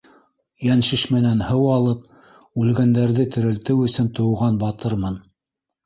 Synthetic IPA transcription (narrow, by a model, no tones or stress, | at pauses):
jænʃiʃmɘ̆nænhɤwɑlˠɤp̚ | ʉlɡænd̪æɾðɘt̪ɘ̆ɾɘ̆lt̪ɘwɵ̆sɵnt̪ŏwʁɑnbɑt̪ɤɾmɤn